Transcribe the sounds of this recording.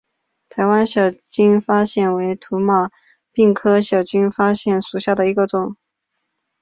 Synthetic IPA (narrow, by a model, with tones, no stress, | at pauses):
t̪ʰa˧˥ɪwa˥nɕjɑ˨˩ʊt͡ɕy˥nfa˥ɕjɛ˥˩nwe˧˥ɪt̪ʰu˧˥mɑ˥˩ | pi˥˩ŋkʰɤ˥ɕjɑ˨˩ʊt͡ɕy˥nfa˥ɕjɛ˥˩nʂu˨˩ɕja˥˩d̪ə˩i˧˥ɡə˥˧t͡sʊ˨˩˦ŋ